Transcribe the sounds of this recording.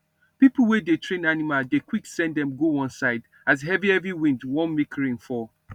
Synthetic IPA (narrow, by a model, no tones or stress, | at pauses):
pipl̩ˠwɛdetʰɹẽnanimaldekwiksɛ̃ndɛ̃mɡoɔ̃nsaɪd | azɦɛviɛviwĩndwɔ̃nmikʰɹĩnfɔ